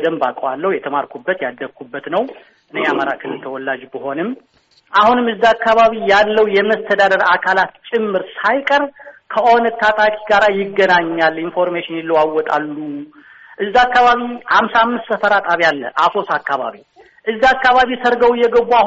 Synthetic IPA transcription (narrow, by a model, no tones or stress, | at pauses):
d̪əmba̰kʼəwalːəhwjɛt̪ʰəmaɾkʰubːət̪jad̪ːəkʰːubːət̪nəw | ʔɨneaməɾa̰kʰɨnɨt̪ʰəwɔlːad͡ʒbəɦo̞nɨm | ʔahunɨmɨzːiakːaβaβijalːəwjɛməst̪ʰəd̪ad̪əɾakʰalat̪t͡ʃʼɪmːɨɾsajkʼəɾkʰəʔonət̪ʰːat̪ʼakʼiɡaɾajɪɡːənaɲːalinfo̞ɾmeʃɪnɪlːəwawːɔt̪ʼa̰lːu | ʔɨzːiakːaβaβihamsaamːɨst̪ːəfəɾat̪ʼaβijalːə̰ʔasʰo̞sakːaβa̰βi | ʔɨzːiakːaβaβisəɾɡəwɪjːɛɡəβːua